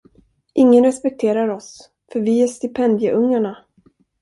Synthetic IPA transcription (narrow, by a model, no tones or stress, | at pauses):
ʔɪŋːənɾɛspɛk̚t̪ʰeːɾaɾɔs | fœɾvɪæʂt̪ɪpʰɛnd̪jəʔɵŋːaɳa